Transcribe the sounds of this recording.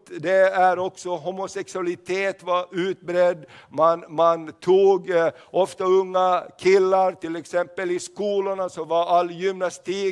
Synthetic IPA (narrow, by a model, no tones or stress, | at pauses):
d̪ɛæɾɔksɔɦumʊsɛksʉɑlɪt̪ʰeːt̪ʋɑʔʉːt̪̚bɾɛd̪mɑnmɑnt̪ʰuːɡ | ɔft̪ɑɵŋːɑkʰɪlːɑɾt̪ʰɪlɛksɛmpəlɪskuːlənɑsɔʋɑɾɑlːjʏmnɑst̪iː